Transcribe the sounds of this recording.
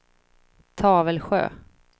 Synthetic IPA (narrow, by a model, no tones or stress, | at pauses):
t̪ʰɑːvəlɧø̰ː